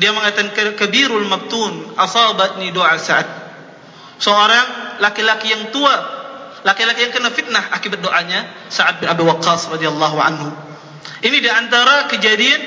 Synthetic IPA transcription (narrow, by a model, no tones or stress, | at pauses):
diaməŋajt̪ankkabiɾʊlmab̚t̪unʔɑsɑbat̪̚nidoʔasaʔat̪̚ | səoɾaŋlakilakijaŋt̪ua | lakilakijaŋkənafit̪̚nahʔakibat̪̚doʔaɲa | saʕat̪̚bɪnabiwɑqːɑːsrɑdialːɑɦuʕa̰nhu | ʔinidiant̪aɾakəd͡ʒadian